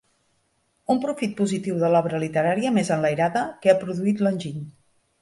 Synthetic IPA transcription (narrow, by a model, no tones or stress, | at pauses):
umpɾufit̪̚puzit̪iwðəlɔβɾəlit̪əɾaɾiəmezənləjɾaðəkeapɾuðuit̪lənʲʒiɲ